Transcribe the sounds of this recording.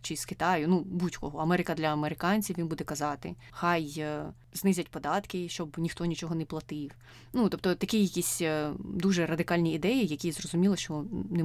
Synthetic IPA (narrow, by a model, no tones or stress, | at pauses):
t͡ʃɪskɪt̪ɑjʊnubutʲkɔɦɔɐmɛɾɪkɐd̪lʲɐɐmeɾɪkɑnʲt͡sʲiwʋʲinbud̪ɛkɐzɑt̪ɪ̰ | xɑj | znɪzʲɐtʲpɔd̪ɑt̪kɪʃt͡ʃɔbnʲixt̪ɔnʲit͡ʃɔɦɔnɛplˠɐt̪ɪw | nut̪ɔp̚t̪ɔt̪ɐkʲijɐkʲisʲd̪uʒɛrɐd̪ɪkɑlʲnʲiːd̪ɛjijɐkʲizrɔzʊmʲilˠɔʃt͡ʃɔnɛ